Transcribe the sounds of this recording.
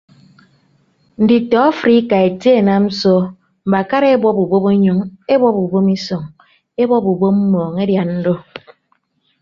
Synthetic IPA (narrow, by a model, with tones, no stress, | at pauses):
n̩˨di˨tɔ˨˦fɾi˦ka˨e˨te˦˨na˦m̩˦sɔ˦ | m̩˨ba˨ka˦ɾe˦e˦bwɔ˦bu˨bo˦be˦ɲo˨˦ŋe˦bɔ˦bu˨bo˦mi˦so˨ŋ | e˦bɔ˦pu˨bo˦m̩˦mɔː˨ŋe˦dja˨nn̩˦do˦